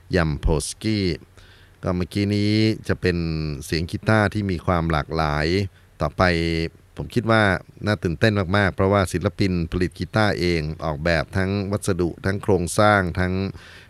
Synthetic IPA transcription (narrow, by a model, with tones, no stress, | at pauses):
ja˧mpʰoː˦˩skiː˥˩ | kɔː˥˩maː˥˩kiː˦˥niː˦˥t͡ɕa˨˩pe˧nsi˩˦əŋki˧˥t̪aː˥˩t̪ʰiː˥˩miː˧kʰwaː˧mla̰ː˨˩k̚laː˩˦j | t̪ɔː˨˩pa˧j | pʰo˩˦mkʰi˦˥t̪̚waː˥˩naː˥˩t̪ɯː˨˩nt̪e˥˩nmaː˥˩k̚maː˥˩k̚pʰɾɔ˦˥waː˥˩si˩˦nla˧pi˧npʰa˧li˨˩t̪̚kʰiː˧˩t̪aː˥˩ʔeː˧ŋʔɔ̰ː˨˩k̚bɛː˨˩p̚t̪ʰa˦˥ŋwa˦˥t̪̚sa˧du˨˩ʔt̪ʰa˦˥ŋkʰɾoː˧ŋsaː˥˩ŋt̪ʰa˦˥ŋ